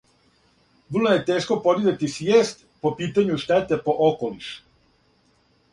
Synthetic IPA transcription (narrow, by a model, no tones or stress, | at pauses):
ʋr̩lojɛt̪eːʃkopod̪id̪et̪isjest̪ | popiːt̪aɲjuʃt̪ɛt̪ɛpoʔokoliʃ